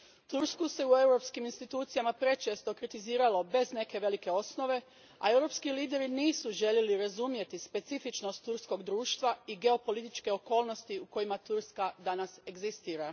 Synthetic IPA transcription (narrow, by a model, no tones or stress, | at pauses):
t̪uɾskuse̞ue̞wɾo̞pskiminst̪it̪uːt̪sijamapɾe̞t͡ʃe̞ːst̪o̞kɾit̪iziːɾalo̞be̞zne̞ke̞ʋe̞like̞o̞sno̞ʋe̞ | a̰e̞wɾo̞ːpskiliːd̪e̞ɾiniːsuʒe̞ʎje̞liɾazumje̞t̪ispe̞t̪sifit͡ʃno̞st̪ːuɾsko̞ɡd̪ɾuːʃt̪ʋaiɡe̞o̞po̞lit̪it͡ʃke̞o̞ko̞ːlˠno̞st̪iuko̞jimat̪uɾskad̪anase̞ɡzist̪iːɾa